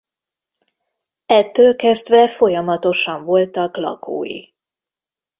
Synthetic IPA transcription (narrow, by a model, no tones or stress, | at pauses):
ɛt̪ːøːlkɛzd̪ʋɛfo̞jɒmɒt̪o̞ʃɒɱvo̞lt̪ɒklɒ̰kʰo̰ːjḭ